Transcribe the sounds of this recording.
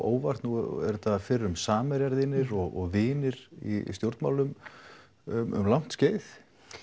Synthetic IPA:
ʔoːwvar̥t̪nuɛ̰ɾt̪afɪrːʏmsaːmɪɾjaɾðɪnɪɾɔɣɔɣvɪːnɪɾḭst̪jowɾt̪ma̰wlʏm | ʏmʏ̰mlam̥t̪sceːjθ

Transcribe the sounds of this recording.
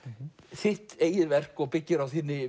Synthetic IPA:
sɪht̪ejɪɾvɛr̥kɔɣpɪcːɪɾavθiːnɪ

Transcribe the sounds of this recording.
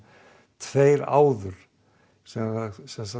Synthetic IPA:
t̪ʰveːjɾa̰ːwðʏɾ̥ | sɛmaasɛnsa

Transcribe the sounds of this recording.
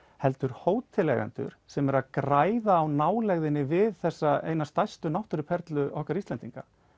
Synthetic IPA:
hɛlt̪ʏɾ̥hoːwt̪ʰɪlːɛ̰ɣa̰nt̪ʏ̰ɾ̥sɛmɛɾaðkɾaːjðaːwnaːwlɛɣðɪnːɪvɪðθɛsːaḛːjnast̪ajst̪ʏnawht̪ʏɾʏpʰɛɾt̪lʏʔɔhkaɾist̪ɛnt̪iŋka̰

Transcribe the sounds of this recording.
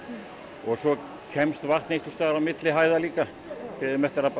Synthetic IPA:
ɔɣsɔ | cʰɛmst̪vaht̪nejst̪ʏ̥st̪aːɣɾawmɪt̪lɪɦaːjðaliːka | pɪðʏmɛht̪ɪɾa

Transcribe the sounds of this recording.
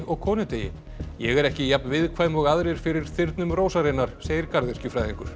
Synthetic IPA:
ɔɣkʰɔːnɪt̪ejɪ̰ | jɛɣɛɾɛhcɪjapnvɪðkʰvaːjmɔɣaðɾɪɾ̥fɪɾɪɾ̥θɪɾt̪nʏmroːwsaɾɪnːaɾ̥seːjɪɾkaɾðɛscɪfɾajðiŋkʏɾ̥

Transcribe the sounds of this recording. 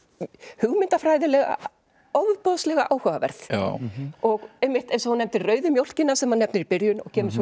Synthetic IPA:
hʏɣmɪnt̪afɾaːjðɪlɛɣa̰ | ɔvpɔðslɛɣaʔaːwhœvavɛ̰ɾθ | ɔɣejmɪht̪ɛjnsɔhunɛmt̪ɪrœːɥðʏmjowl̥cɪnːasɛmhanːɛpnɪɾipɪɾjʏnɔ̰ɣcʰɛːmɪ̥sɔ

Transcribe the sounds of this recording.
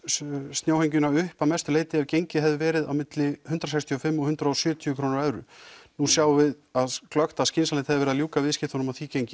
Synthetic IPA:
st̪njowhejɲcʏnaʏhpawmɛst̪ʏleːjt̪ɪɛɾcejɲcɪɦɛvðɪvɛːɾɪða̰wmɪt̪lɪhʏnt̪ɾasajkst̪ʰijɔfɪmːɔhʏnt̪ɾaɔsjœːt̪ʰiʏkʰɾoːnɪɾɛðɾʏ̰nusjaːwvɪð | aðklœxt̪aðscɪnsalent̪hɛvðɪvɛɾɪðaljuːkavɪðscɪt̪hɔnʊmaθiːcejɲcɪ

